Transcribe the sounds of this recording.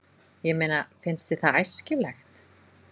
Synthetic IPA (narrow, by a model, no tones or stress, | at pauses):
jɛmeːnafɪnst̪ɪθaajscɪlɛxt̪